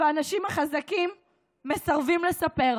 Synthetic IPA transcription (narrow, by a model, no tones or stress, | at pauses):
aanaʃimhaχazakimː | e̞saʁvimle̞sape̞ʁ